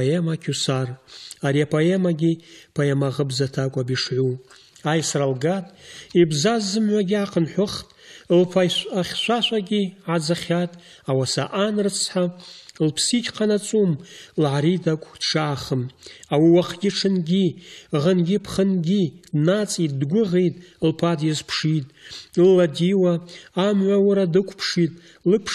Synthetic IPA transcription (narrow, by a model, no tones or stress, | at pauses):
emakʲʰusaraɾiapʰoe̞maɡʲipʰoemaʁəbzatʰakʷʼabiʂʕʷu | ajsralɡatʼibzazːɨmʕʷaɡʲiaqʰənħʷʊχtʼlpʰaaχʲʃʷaʃʷaɡʲiʕad͡zaχʲatʼ | awasaʔanrɨt͡sʰħalpʰsit͡ʃʲʼʰqʰanat͡sʼumlʕaɾidakʷʼʰd̥ʂaːχəmawiwaχʰɡʲiʈ͡ʂʰɨnɡʲiʁənɡʲipʰχənɡʲidnat͡sʼidɡʷʊʁejtʼlpʰadjazpʰʂitʼlːadiwaːmʕʷawaɾadɨkʷʰpʰʂitʼ | lɨpʰ